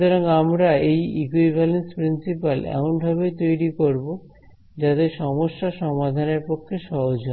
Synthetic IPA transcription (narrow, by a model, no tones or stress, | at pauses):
t̪ɔɾoŋamɾaejikuibʱalenspɾinsipalɛ̰monbʱaβet̪ojɾikoɾbo | d͡ʑat̪eʃɔmoʃːaʃɔmad̪ʱaneɾpokʰːeʃɔɦod͡ʑon